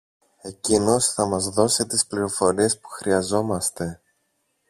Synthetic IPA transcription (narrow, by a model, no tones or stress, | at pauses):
e̞cino̞sθɐmɐzðo̞sit̪ispliɾo̞fo̞ɾie̞spu̥xɾiɐzo̞mɐst̪e̞